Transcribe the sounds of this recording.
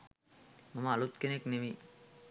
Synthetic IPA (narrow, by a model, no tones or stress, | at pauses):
mɐmaːlut̪kenekneʋi